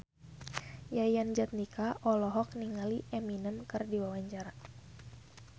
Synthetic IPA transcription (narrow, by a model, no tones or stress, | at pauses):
jajand͡ʒat̪̚nikaʔɔlɔɦɔk̚niŋaliʔɛminəmkərdiwawaɲt͡ʃaɾa